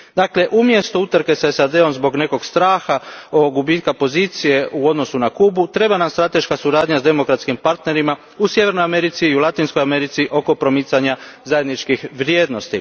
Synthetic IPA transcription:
d̪aːkle̞ʔumje̞st̪out̪ɾke̞saesad̪e̞o̞mzbo̞ɡne̞ko̞ɡst̪ɾaːxaoɡubiːt̪̚kapo̞ziːt̪sije̞ʔuo̞d̪no̞sunakuːbut̪ɾe̞banamst̪ɾat̪e̞ʃkasuɾaːd̪ɲazd̪e̞mo̞kɾat̪skimpaɾt̪ne̞ɾima | usje̞ʋe̞ɾnojame̞ɾit̪siːulˠat̪inskojame̞ɾit̪siʔo̞ko̞pɾo̞mit̪saɲazaje̞d̪nit͡ʃkixʋɾje̞ːd̪no̞st̪i

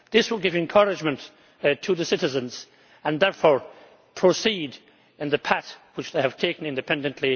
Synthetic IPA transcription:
ðɪswəlˠɡɪvɨ̃nkʰʌɹɨd͡ʒmə̃nt | tʰɨðɨsɪɾɨzə̃nz̥ | ə̃nðɛɹfɔɹ | pʰɹ̥osid | ɨ̃nðɨpʰætwɨt͡ʃðeɪɨv̥tʰeɪkə̃nɪ̃ndɨpʰɛ̃ndɨ̃nʔli

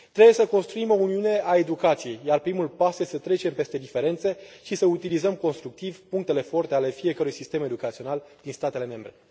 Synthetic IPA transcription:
t̪ɾe̞buje̞səko̞nst̪ɾuimo̞uniune̞ʔae̞d̪ukat̪sije̞jjarpɾimulpasjesət̪ɾe̞t͡ʃe̞mpe̞st̪e̞d̪ife̞ɾe̞nt̪se̞ʃisəut̪ilizəmko̞nst̪ɾuk̚t̪ivpuŋkt̪e̞le̞fo̞rt̪e̞ale̞fie̞kəɾujsist̪e̞me̞d̪ukat̪sio̞nald̪̥inst̪at̪eleme̞mbɾe̞̰

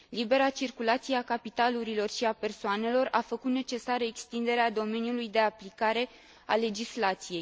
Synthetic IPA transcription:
libe̞ɾat͡ʃirkulat̪sijeakapit̪aluɾilo̞rʃiape̞rsoane̞lo̞rafəkut̪ne̞t͡ʃe̞saɾəekst̪ind̪e̞ɾead̪o̞me̞niulujd̪e̞aplikaɾe̞ | ale̞d͡ʒislat̪sije̞j

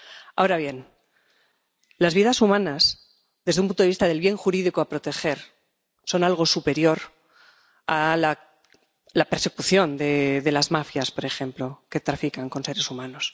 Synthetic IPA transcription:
a̰oɾaβje̞n | lazβiðasumãnas | ðe̞zðeumpunt̪oist̪aðe̞lβje̞ŋxuɾiðikoapɾo̞t̪e̞xe̞ɾ | so̞nalɣ̞o̞supe̞ɾjo̞ɾ | ala | lape̞ɾse̞kuθjo̞nd̪e̞ðe̞lazmafjaspo̞ɾe̞xe̞mplo̞ke̞t̪ɾafikaŋko̞nse̞ɾe̞sumãno̞s

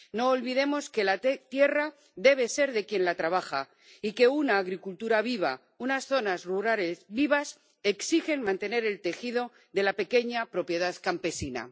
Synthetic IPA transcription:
no̞ːlβiðe̞mo̞ske̞lat̪je̞ra | ðe̞β̞e̞se̞ɾðe̞kje̞nlat̪ɾaβ̞axa | ike̞unaːɣɾikult̪uɾaβiβ̞a̰ | unasθo̞nasruɾalesβiβas | e̞ksixe̞nmãnt̪e̞ne̞ɾe̞lt̪e̞xiðo̞ | ðe̞lape̞ke̞ɲapɾo̞pje̞ðaðkampe̞sina̰

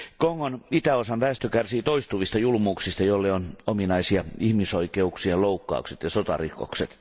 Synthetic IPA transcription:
koŋːonit̪æosɑnʋæːst̪økærsiːt̪oist̪uʋist̪ɑjulmuːksist̪ɑjolːeonominɑisiɑihmisoikeuksiɑloukːɑ̰ukset̪jɑsot̪ɑ̰riko̰kset̪

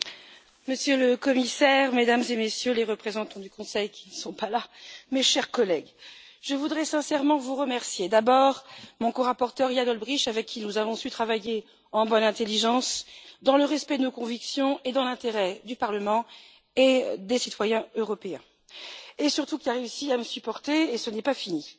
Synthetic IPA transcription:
məsjøləkɔmisɛʁmed̪amzemesjøleʁəpχezɑ̃t̪ɑ̃d̪ykɔ̃sɛjkʲi̥nəsɔ̃palameʃɛʁkɔlɛɡ | ʒəvud̪ʁɛsɛ̃sɛʁmɑ̃vuʁəmɛʁsjed̪abɔʁmɔ̃koʁapɔʁt̪œʁijanɔlbʁiʃavɛkʰʲːinuzavɔ̃syt̪χavaje | ɑ̃bɔnɛ̃t̪eliʒɑ̃sd̪ɑ̃ləʁɛspɛd̪ənokɔ̃viksjɔ̃ed̪ɑ̃lɛ̃t̪eʁɛd̪ypaʁləmɑ̃ | ed̪esit̪wajɛ̃øʁɔpeɛ̃ | esyʁt̪ukʲilʁeysiaməsypɔʁt̪eːsənɛpafini

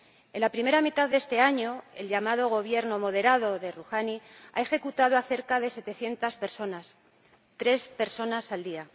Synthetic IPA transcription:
e̞nlapɾime̞ɾamit̪aððe̞st̪e̞aɲo̞e̞̰lʎamað̞o̞ɣ̞o̞β̞je̞ɾno̞mo̞ðe̞ɾað̞o̞ðe̞ruxania̰e̞xe̞kut̪að̞oaθe̞ɾkaðe̞se̞t̪e̞θje̞nt̪aspeɾsonas | t̪ɾe̞spe̞ɾso̞nasald̪ia

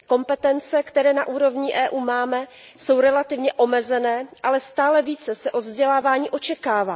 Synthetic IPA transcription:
ko̞mpɛt̪ɛnt͡sɛkt̪ɛɾɛːnaʔuːɾo̞vɲiʔɛːʔuːmaːmɛ | so̞wɾɛlat̪ɪvɲɛʔo̞mɛzɛnɛːʔalɛst̪aːlɛviːt͡sɛsɛʔo̞d̪vzɟɛlaːvaːɲiːʔo̞t͡ʃɛkaːvaː

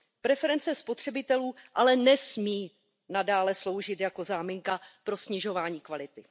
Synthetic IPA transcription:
pɾɛfɛɾɛnt͡sɛspo̞t̪r̝̥ɛbɪt̪ɛluːʔalɛnɛsmiː | nadaːlɛslo̞wʒɪt̪jako̞zaːmɪŋkapɾo̞sɲɪʒo̞vaːɲiːkvalɪt̪ɪ

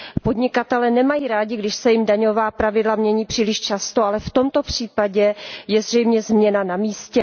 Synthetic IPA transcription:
po̞dɲɪkat̪ɛlɛːnɛmajiːɾaːɟɪɡdɪʃsɛjɪmdaɲo̞vaːpɾavɪdlamɲɛɲiːpr̝̥iːlɪʃt͡ʃast̪oalɛft̪o̞mt̪o̞pr̝̥iːpaɟɛjɛzr̝ɛjmɲɛzmɲɛnanamiːscɛ

